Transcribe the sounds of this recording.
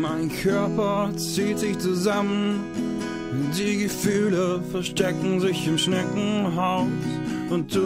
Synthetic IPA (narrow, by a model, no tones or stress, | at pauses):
maɪnkʰœɐpɐt͡siːtz̥ɪçt͡suzamən | ʊnt̚d̥iːɡəfyːləfɛɐʃtɛkŋ̩zɪçɪmʃnɛkŋ̩ɦaʊtʔʊnt̚d̥u